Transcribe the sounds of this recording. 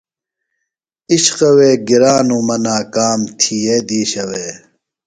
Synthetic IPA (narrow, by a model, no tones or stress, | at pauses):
iɕqɐweːɡiɾaːnumɐnaːkaːmt̪ʰied̪iːɕɐweː